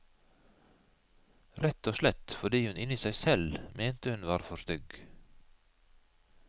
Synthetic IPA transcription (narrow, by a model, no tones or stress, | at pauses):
ɾɛt̪oːʃlɛt̪fɔɖiːhʉnɪniːsæɪsɛlmʔeːnt̪əhʉnʋɑːɾfɔʃt̪ʏɡ